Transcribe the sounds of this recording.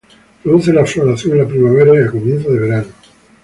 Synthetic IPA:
pɾoðuθelaflonaθjond̪elapɾimaβeɾaialkomjenθoðeβe̞ɾano

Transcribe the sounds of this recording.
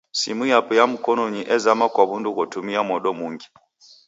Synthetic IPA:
sḭmujapujamukɔnɔɲiʔɛzamakwaβundukɔtumiamɔɗɔmuːŋɡi̥

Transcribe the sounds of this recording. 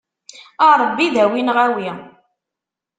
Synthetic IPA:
ɑɾˤbːiðæwinʁæwi

